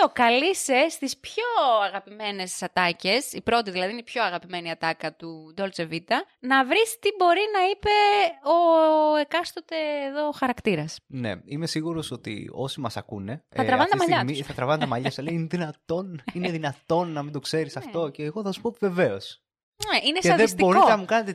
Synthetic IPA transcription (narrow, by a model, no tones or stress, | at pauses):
okɐlise̞st̪ispço̞ɐɣɐpime̞ne̞ssɐt̪ɐce̞sipɾo̞t̪iðilɐðiinpço̞ɐɣɐpime̞niɐt̪ɐkɐt̪ud̪o̞lt͡se̞vit̪ɐnɐvɾist̪ibo̞ɾinɐipe̞o̞ekɐst̪ot̪e̞ːðo̞xɐɾɐkt̪iɾɐsne̞̰imesiɣuɾo̞so̞t̪ḭo̞simɐsɐ̰kune̞ɐt̪ɾɐvɐnet̪mɐʎɐmiθɐt̪ɾɐvɐnet̪ɐmɐʎɐseleiineðinɐt̪o̞nineðinɐt̪o̞nːɐmind̪o̞kse̞ɾisɐft̪o̞ce̞ːɣo̞θɐsu̥pot̪ive̞ve̞o̞s | eʔineset̪ɐðesb̪ioɾoɐmukɐnet̪e